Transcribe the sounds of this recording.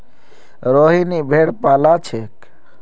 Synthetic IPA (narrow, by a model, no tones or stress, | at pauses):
ɾoɦinibʱeːɽpaːlat͡ʃʰek